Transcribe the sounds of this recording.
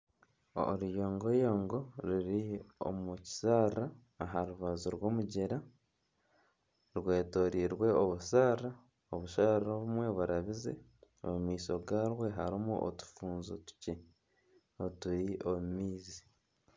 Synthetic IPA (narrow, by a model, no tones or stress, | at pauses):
oɾujoːŋɡo̞joːŋɡo̞ɾiɾio̰muci̥saːɾaː | ɦaɾuβazoɾwo̞ːmuɟe̞ɾa | ɾwe̞ːto̞ɾiːɾwe̞oβusaːra | oβuʃaɾɾoβumwe̞βuɾaβizḛ | o̰mumiːso̞ɡaːɾwe̞ɦaɾimuʔo̰tu̥fuːnzo̰tu̥ce̞ | otuɾiomumiːzi